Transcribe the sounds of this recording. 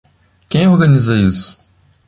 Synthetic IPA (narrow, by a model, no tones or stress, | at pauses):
kẽj̃oɾɡɐnizɐisʊ̥